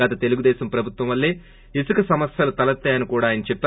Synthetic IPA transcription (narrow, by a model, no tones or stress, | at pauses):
ɐt̪ɐt̪e̞luɡud̪ɛːsɐmpɾɐbʱut̪ʋɐmʋɐlːeː | isukɐsɐmɐsjɐlut̪ɐlɐt̪ːaːjɐnikuːɽaːjɐnɐt͡ʃɛp̚t̪